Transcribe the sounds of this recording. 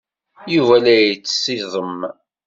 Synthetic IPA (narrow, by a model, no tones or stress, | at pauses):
juvælæjt͡sːsiðˤəm